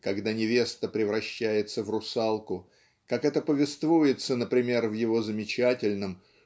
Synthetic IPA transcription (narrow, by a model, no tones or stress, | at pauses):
kɐɡd̪anʲɪvʲe̞st̪əpɾʲɪvɾɐɕːæjɪt̪səvrʊsalˠkʊ | kakɛt̪əpəvʲɪst̪vujɪt̪sənəpɾʲɪmʲe̞rvjɪvo̞zəmʲɪt͡ɕætʲɪlʲnəm